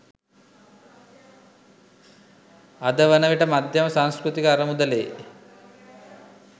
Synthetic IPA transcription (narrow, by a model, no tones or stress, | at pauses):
ad̪əʋənəʋiʈəmad̪ʱjɐməsaŋskɾut̪ikəaɾəmud̪əleː